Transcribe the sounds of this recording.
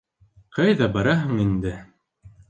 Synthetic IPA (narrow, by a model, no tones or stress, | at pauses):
qʰɑjðɑbɑɾɑɦɤ̆ŋind̪ɘ